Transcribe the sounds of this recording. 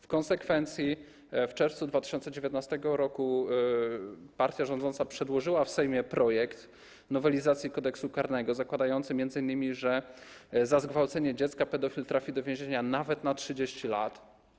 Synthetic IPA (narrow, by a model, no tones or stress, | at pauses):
fkɔnsɛkfɛnt̪sʲji | ft͡ʂɛɾft̪sud̪vat̪ɘ̥ɕɔnt̪sɛd͡ʑevʲjɛt̪nast̪ɛɡɔɾɔku | paɾt̪ʲjaʐɔnd̪zɔnt̪sapʂɛd̪wɔʐɘwafsɛjmʲjɛpɾɔjɛkt̪ | nɔvɛlʲizat̪sʲjikɔd̪ɛksukaɾnɛɡɔzakwad̪ajɔnt̪sɘmʲjɛnd̪zɘinːɘmʲiʐɛ | zazɡvawt̪sɛɲɛd͡ʑɛt̪skapɛd̪ɔfʲilt̪ɾafʲid̪ɔvʲjɛ̃ʑeɲanavɛt̪natʂɘd͡ʑeɕt͡ɕila̰t̪